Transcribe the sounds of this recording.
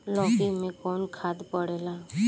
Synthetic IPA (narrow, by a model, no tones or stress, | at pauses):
lɔːkimẽkɔːnkʰaːd̪pəɽeːlaː